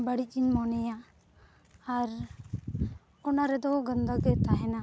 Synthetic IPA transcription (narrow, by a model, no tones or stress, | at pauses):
baɽic̚ˀinmɔnɛja | ɾ | ɔnaɾɛd̪ɔɡənd̪aɡɛt̪aɦɛna